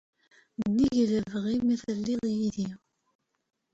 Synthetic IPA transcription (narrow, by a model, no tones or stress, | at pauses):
nːiʝləvʁimiθəlːiðˤjiði